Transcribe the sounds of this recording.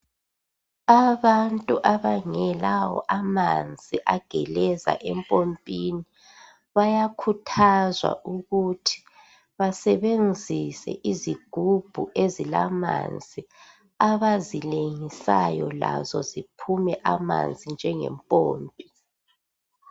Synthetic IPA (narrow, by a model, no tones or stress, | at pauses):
aβantʼuʔaβaŋɛlawɔ̰ʔamand͡zʱiʔaɡ̥ʱɛlɛza̰ʔɛmpʼompʼini | βajakʰutʰazwa̰ʔuɣutʰi̥ | βasɛβend͡zʱisɛ̰ʔiziɡ̥ʱub̥ʱuʔezilama̰nd͡zʱi | aβazileŋisajɔla̰zɔzipʰumɛʔama̰nd͡zʱind͡ʒʱɛŋɛ̰mpʼoːmpʼi